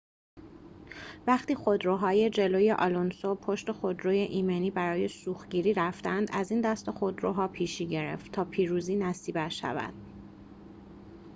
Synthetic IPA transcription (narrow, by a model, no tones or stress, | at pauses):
væχt̪iːxod̪ɾoːɦɒːje̞d͡ʒe̞loːjeʔɒːlonsopʰo̞ʃt̪e̞xo̞d̪ɾoːjeʔiːmeniːbæɾɒːje̞suːxɟiːɾiːɾæft̪ænd̪æziːnd̪æst̪exo̞d̪ɾoɦɒːpʰiːʃiːɟe̞ɾḛft̪t̪ʰɒːpʰiːɾuːziːnæsiːbæʃæ̰væ̰d̪̥̚